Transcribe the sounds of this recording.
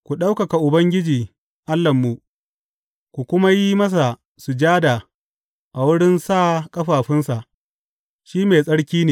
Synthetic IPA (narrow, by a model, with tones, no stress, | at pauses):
kʷu˨ɗa˦wkɐ˨ka˨ʔʊ˨bɐ˦ŋɡʲɪ˦d͡ʒiː˨ | ʔa˦lːɐ˨mːu˨ʔ | kʷu˨kʷʊ˦ma˦ji˦mɐ˦s̬a˨ | sʊ˨d͡ʒaː˦da˨ | ʔa˨wʊ˦ɽɪ˦nsaː˦˨kʼɐ˦ɸaː˨ɸɪ˦nsa˨ʔ | ʃiː˦meː˨sʼɐ˦ɽkʲiː˦neː˨